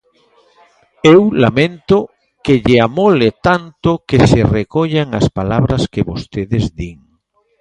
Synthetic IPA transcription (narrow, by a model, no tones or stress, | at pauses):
ewlamẽnt̪o | keʎeamolet̪ant̪okeserekoʎaŋa̰spalaβɾaskeβost̪eðezd̪iŋ